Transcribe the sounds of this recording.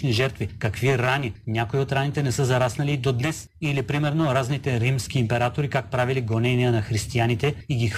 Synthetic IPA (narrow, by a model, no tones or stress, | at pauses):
niʒɛɾt̪vikɐkviɾaninʲakoiot̪ɾanit̪ɛnɛsəzɐɾasnɐlid̪od̪nɛs | ilipɾimɛɾnoɾaznit̪ɛɾimskʲiːmpɛɾat̪oɾikak̚pɾaviliɡonɛniənɐxɾist̪ianit̪ɛiɡʲix